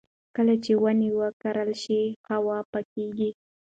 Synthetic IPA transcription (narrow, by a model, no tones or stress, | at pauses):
kəlat͡ʃewanewəkaɾəlʃihawɑpəkeɡi